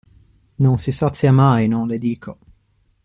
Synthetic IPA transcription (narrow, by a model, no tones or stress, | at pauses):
nonsisat̪sːjamajnonled̪iːkʰo